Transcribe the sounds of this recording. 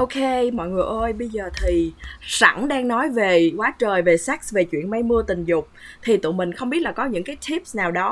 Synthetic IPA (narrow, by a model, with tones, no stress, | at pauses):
ʔo˧wkʰe˧mɔ̰˧˨jŋɨ˨˩əjʔəː˧jɓə˧jzəː˨˩t̪ʰi˨˩sa̰˧˩ŋɗaː˧ŋnɔ˨˦jve˨˩kwaː˨˦t͡ɕəː˨˩jve˨˩sa˦˥k̚sve˨˩t͡ɕwḭ˧˨ənma˧jmɨ˧ət̪ï˨˩ŋ̟zʊ˨˩k͡p̚t̪ʰi˨˩t̪ɨ̰˧˨mï˨˩ŋ̟xə˧wŋ͡mɓi˦˥t̚laː˨˩kɔ˨˦ɲɨ̰˧˥ŋkaː˨˦jt̪ʰi˦˥p̚snaː˨˩wɗɔ˨˦